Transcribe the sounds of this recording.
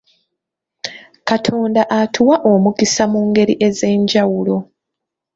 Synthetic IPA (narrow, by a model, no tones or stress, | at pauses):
katʰo̞ːndaʔatʰuwaʔomukisamuːŋɡe̞ɾiʔe̞ze̞ːɲɟawulo̞